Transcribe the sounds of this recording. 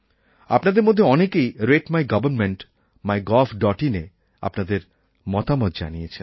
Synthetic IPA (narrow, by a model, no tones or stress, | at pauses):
apnad̪eɾmod̪ʱːeɔnekejɾeʈmajɡʌbəɾnmeɳʈ | majɡɔlfɖɔʈine | a̰pnad̪eɾ | mɔt̪amɔt̪̚d͡ʑa̰nijet͡ɕʰen